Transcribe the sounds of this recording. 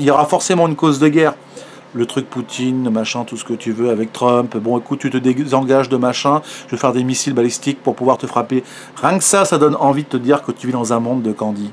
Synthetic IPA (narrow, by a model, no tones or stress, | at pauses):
iljɔʁafɔʁsemɑ̃ynkozd̪əɡʲɛːʁ | lət̪χyk̚put̪ʰinəmaʃɛ̃t̪usə̥kət̪yvøavɛk̚t̪χœpbɔ̃ekut̪̚t̪ːyt̪əd̪ezɑ̃ɡaʒd̪əmaʃɛ̃ʒəvefɛʁd̪emisilbalist̪ik̚puʁpuvwaʁt̪əfχape | ʁjɛ̃ksasad̪ɔnɑ̃vid̪ət̪əd̪iʁkət̪yvid̪ɑ̃zɛ̃mɔ̃d̪ːəkɑ̃d̪i